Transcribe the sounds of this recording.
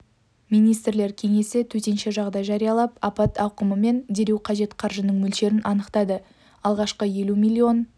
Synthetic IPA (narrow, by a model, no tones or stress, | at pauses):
mijnijst̪ɾle̞ɾkʲʰe̞ŋe̞sɪt̪ʰɵt̪e̞nʃe̞ʒɑʁd̪ɑjʒɑɾijɑlˠɑpɑpɑt̪ɑwqəməme̞nd̪e̞ɾe̞wqʰɑʒe̞t̪qʰɑɾʒənəɴmɵlʃe̞ɾɪnʔɑnəqt̪ɑd̪ə | ɑlˠʁɑʃqəje̞lumilʲːio̞n